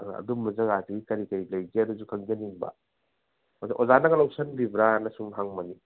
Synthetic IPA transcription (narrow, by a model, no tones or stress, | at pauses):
ɐ̰dumːɐzɐɡaziɡikɐɾikɐɾilɐjɡiɐɾuzukʰɐŋd͡ʒɐniŋbɐ̰ | mɐzeʔozanɐɡɐlawsɐnbibɾanɐsuŋɦaŋmɐni